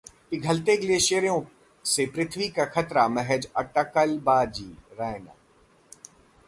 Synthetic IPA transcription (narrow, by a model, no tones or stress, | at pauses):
iɡʱɐlt̪eːɡleʃeːɾjõ | sepɾɪt̪ʰʋikakʰɐt̪ɾamɛɦəd͡ʒɐʈɐkəlbaːd͡ʒiːɾaːɪna̰ː